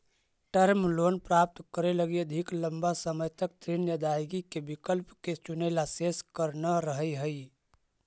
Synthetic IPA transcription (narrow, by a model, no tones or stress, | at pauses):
ʈəɾmlonpɾap̚t̪kəɾeləɡied̪ʱikləmbasəməjt̪ək̚t̪ɾinjəd̪ajɡikebikəlpket͡ʃunəɪlaseskəɾnaɾəɦəɦəj